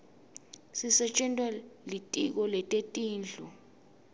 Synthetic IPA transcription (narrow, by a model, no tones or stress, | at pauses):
sisɛt͡ʃʼɛntʼwɛlitʼik̬ɔlɛtʼetʼiːnd͡ɮʱɔ